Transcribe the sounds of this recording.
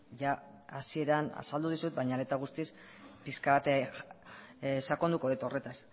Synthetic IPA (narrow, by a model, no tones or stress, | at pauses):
ʝa | asie̞ɾana̰sald̪uð̞isut̪̚bajɲale̞t̪aɣ̞ust̪is | piskaβat̪e | sako̞nd̪uko̞ðet̪o̞re̞t̪as